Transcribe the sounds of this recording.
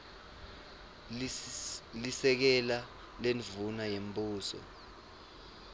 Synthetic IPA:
lisɛk̬ɛla | lenvunajembʼuːsɔ̰

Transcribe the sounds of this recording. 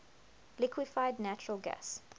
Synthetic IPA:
lɪkʰwɪfaɪdⁿnæt͡ʃəɹəlˠɡæ̰s

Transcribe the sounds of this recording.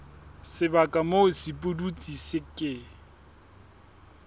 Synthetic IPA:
sɪbakʼamosipʼudut͡sʼisɪkʼɪ

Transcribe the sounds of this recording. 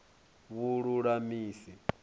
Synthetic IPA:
βuɺuɺamiːsi

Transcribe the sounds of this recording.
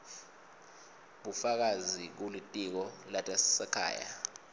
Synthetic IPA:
ɓufak̬azik̬ulitʼik̬ɔlatʼassɛkʰa̰ːja̰

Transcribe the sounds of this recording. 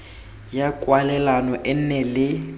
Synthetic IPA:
jakʼwalɛlanɔʔɛn̩nɛlɪ

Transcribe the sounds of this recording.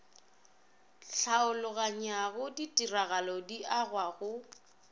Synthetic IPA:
ɬʰaʊlʊɣaɲaɣʊditʼiraɣalɔdiʔaɣwaɣʊ

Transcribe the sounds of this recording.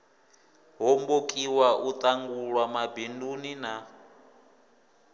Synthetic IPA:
ɦombokʼiwaʔut̪ʼaŋɡuɺwamabindunina

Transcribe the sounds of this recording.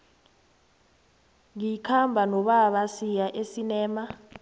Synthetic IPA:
ŋikʰambʱanɔɓaɓasijaʔesinɛːma

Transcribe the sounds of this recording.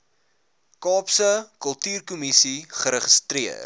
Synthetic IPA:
kɑːpsəkəlˠtyːrkumisiχəɾəχəstɾiər

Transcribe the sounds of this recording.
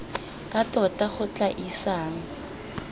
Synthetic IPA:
kʼatʼɔtʼaχʊt͡ɬʼaʔisaːŋ̩

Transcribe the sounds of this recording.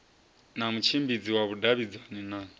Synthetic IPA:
namut͡ʃʰimbid͡ziwaβudaβid͡zanina

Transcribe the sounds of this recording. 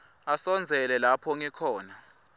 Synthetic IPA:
asɔnd͡zʱɛlɛlapʰɔŋɛkʰɔːna

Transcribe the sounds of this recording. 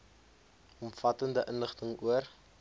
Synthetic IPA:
ɔmfɐtəndəʔənləχtəŋuər

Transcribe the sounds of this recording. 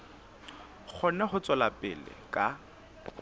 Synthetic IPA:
k͡xʰɔnɛχʊt͡sʼɔlapʼɪ̰lɪ̰kʼa

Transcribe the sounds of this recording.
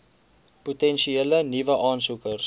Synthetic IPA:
putɛnʃielənivəʔɑːnsukərs

